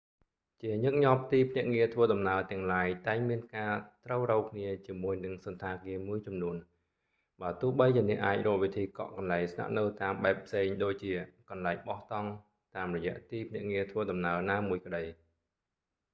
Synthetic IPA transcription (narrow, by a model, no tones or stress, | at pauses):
t͡ɕiəɲɨk̚ɲɑp̚t̪iːpʰnɛ̆əʔŋiət̪ʰʋəːɗɑmnaət̪ɛ̆əŋlaːjt̪aɛŋmiənkaːt̪rəwrɔːkʰniət͡ɕiəmuəjnɨŋsɑnt̪ʰaːkiəmuəjt͡ɕɑmnuən | ɓaət̪ʊ̆əhɓəjt͡ɕiənɛ̆əʔaːc̚rɔːʔʋit̪ʰiːkɑ̰ʔkɑnlaɛŋsna̰ʔnɨwt̪aːmɓaɛpʰseːŋɗoːc̚t͡ɕiəkɑnlaɛŋ̚ɓɑht̪ɑŋ | t̪aːmrɔjɛ̆əʔt̪iːpʰnɛ̆ʔŋiət̪ʰʋəːɗɑmnaənaːmuəjkə̆ɗəj